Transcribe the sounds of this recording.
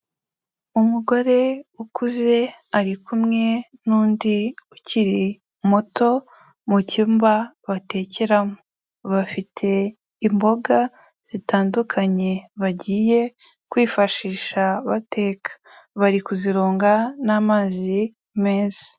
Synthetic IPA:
umuɡo̞ɾe̞ukuze̞aɾikumŋe̞nuːndiuciɾi | moto̞ | mucimbaβate̞ːceɾamo | βafitʰe̞ | imbo̞ɡa | z̥itaːndukʰaɲe̞βaɟiːje̞ | kwiːfaʃiːʃaβate̞ːkʰḁβaɾikuziɾoːŋɡanamaːzi | me̞ːze̥

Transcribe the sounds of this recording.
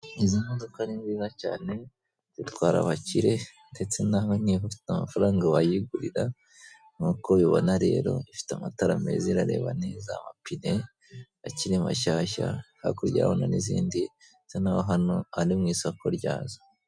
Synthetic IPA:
izimodokaɾinziːzaca̰ːne̞ | z̥itwaːɾa̰βaciɾe̞nde̞t͡se̞naːɦon̥iɦofi̥tamafaɾaːŋɡaβajiɡuɾiɾa | ŋ̥uːko̞jiβo̰naɾe̞̰ːɾo̞̰ifi̥tamataɾame̞̰ziɾaɾe̞̰ːβanezamapine̞ | aciɾima̰ʃaːʃa̰ha̰koɾɟa̰ːβonanizḭːndi | t͡senaːβoɦano̞aɾimŋiːsoakoɾɟa̰ːza

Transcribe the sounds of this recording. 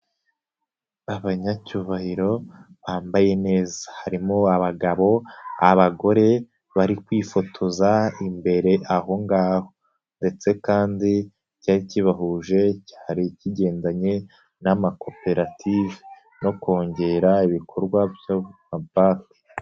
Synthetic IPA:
aβaɲacuβahiɾo̞ | βaːmbaje̞ne̞ːzḁhaɾimoaβaɡaβo̞a̰βaɡo̞ɾe̞ | βaɾikwiːfo̞tʰo̞zaimbe̞ɾe̞ʔaho̞ŋɡaːho̞ | nde̞t͡se̞kaːndi | caːɾiciβaɦuːʒe̞ci̥haɾiciɟe̞ːndaɲe̞ | namako̞pe̞ɾatʰiːvi | no̞ko̞ːɲɟe̞ɾaiβikʰo̞ɾɡwabjamabaːke̥

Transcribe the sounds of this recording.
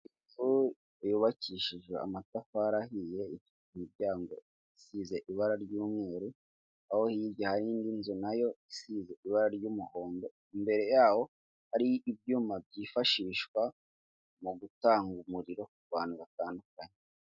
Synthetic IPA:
i | fu | ejuβaciʃiʒwea̰matafaɾahije̞it | hibɟaːŋɡo̞ | isize̞ʔiβaɾaɾɟuːmŋe̞ːɾu | aho̞hijiɟahaɾiːndinzunajo̞isize̞iβaɾaɾɟuːmuho̞ːndo̞ | imbe̞ɾe̞jaːho̞ | haɾiːb̚ɟuːmab̚ɟiːfaʃiːʃkwa | muɡutaːŋɡumuɾiɾo̞uɡwaːnuɡataːndukaɲe

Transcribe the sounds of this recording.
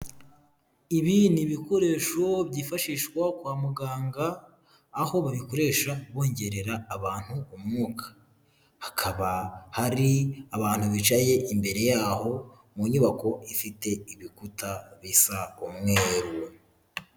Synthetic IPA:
iβiniβiko̞ɾe̞ːʃo̞βɟiːfaʃiːʃkwakwaːmuɡaːŋɡaː | ho̞βaβiko̞ɾe̞ːʃaβo̞ːɲɟe̞ɾe̞ɾaːβaːn̥huumŋuːkʰḁ | hakʰaβahaɾiaβaːn̥huβit͡ʃaje̞ʔimbe̞ɾe̞jaːho̞ | muɲuːβako̞ifite̞iβikutaβisaumŋeɾuwe

